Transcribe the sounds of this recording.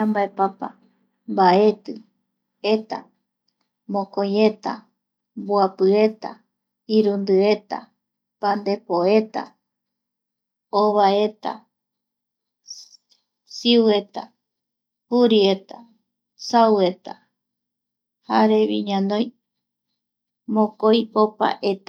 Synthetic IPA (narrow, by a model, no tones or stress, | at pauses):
ambaepapa̰ | mbae̞t̪ɨ | et̪a̰ | mõkõje̞t̪a̰ | mbuapɨe̞t̪a̰ | iɾund̪ɨe̞t̪a̰ | pand̪e̞poe̞t̪a̰ | oβae̞t̪a̰ | siwe̞t̪a | huɾie̞t̪a | sawe̞t̪a | haɾe̞βiɲãnõj | mõkojopa̰ʔet̪a